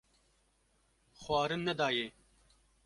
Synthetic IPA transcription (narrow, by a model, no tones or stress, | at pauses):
xwɑːɾɨnːɛd̪ɑːjeː